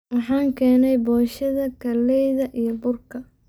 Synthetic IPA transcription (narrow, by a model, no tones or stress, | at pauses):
wɑħɑːŋkʰɛːnɛjbɔːʃɐðɐkʰɐlːɛjðɐʔijɞbʊrkʰɐ